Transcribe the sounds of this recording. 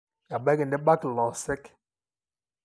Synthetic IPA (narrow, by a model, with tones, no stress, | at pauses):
ja˨ɓɛ˦ɡɛ˨n˨dɛ˦ɓa˦klɔ˨sɛ˦k